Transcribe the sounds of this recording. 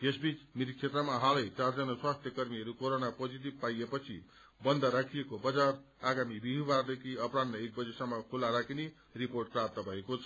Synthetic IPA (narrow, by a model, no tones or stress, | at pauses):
jesbit͡smiɾk̚t͡sʰet̪rʌmaɦalʌjt͡sard͡zʌnaswast̪ʰjʌkʌrmiʌɾukoɾonapod͡zit̪̬ibpajepʌt͡sʰḭ | bʌnd̪ʱʌɾakʰijekobʌd͡zar | aɡamibiɦibard̪ekʰiʌprad̪nʌek̚bʌd͡zesʌmːʌkʰulːaɾakʰine | riporʈ̚krapt̪ʌbʱʌekot͡sʰʌ